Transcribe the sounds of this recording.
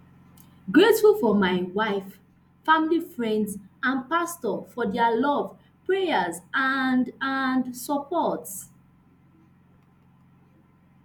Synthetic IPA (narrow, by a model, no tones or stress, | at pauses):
ɡɹetfulfɔmaɪwaɪf | familifɹɛ̃ndzãnpastɔfɔdɛlɔv | pɹejəzandãndsɔpɔts